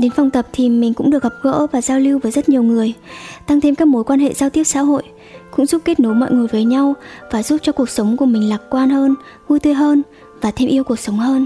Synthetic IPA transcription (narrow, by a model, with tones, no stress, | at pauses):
ɗe˨˦nfa˧wŋ͡mt̪ə˨˩p̚t̪ʰi˨˩mï˨˩ŋ̟kʊ̰˧˥ŋ͡mɗɨ˨˩ək̚hə˨˩p̚ɣə̰˧˥vaː˨˩zaː˧wli˧wvəː˨˦jzə˦˥t̚ɲi˨˩əwŋɨ˨˩əjt̪a˧ŋt̪ʰe˧mkaː˦˥k̚mo˨˦jkwaː˧nɦḛ˧˨zaː˧wt̪i˦˥əp̚sa̰ː˧˥ɦo̰˧˨jʔ | kʊ̰˧˥ŋ͡mzu˦˥p̚ke˦˥t̚no˨˦jmɔ̰˧˨jŋɨ˨˩əjvəː˨˦jɲa˧wvaː˨˩zu˦˥p̚t͡ɕɔ˧ku˨˩ək̚sə˨˦wŋ͡mku˧˩əmï˨˩ŋ̟laː˨˩k̚kwaː˧nhəː˧n | vu˧jt̪ɨ˧jɦəː˧n | vaː˨˩t̪ʰe˧mʔi˧əwku˨˩ək̚sə˨˦wŋ͡mhəː˧n